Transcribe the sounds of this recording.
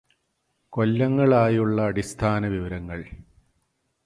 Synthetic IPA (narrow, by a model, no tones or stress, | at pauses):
ko̞lːɐŋːɐɭaːjuɭːɐːɽist̪ʰaːnɐʋiʋɐɾɐŋːɐɭ